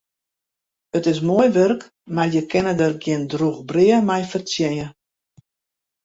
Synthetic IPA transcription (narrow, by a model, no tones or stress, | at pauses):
ətɪs̬moəjʋørk | marjəkʰɪnədərɡjɪndruɣbrɪəmɛjfərt͡sjɛjə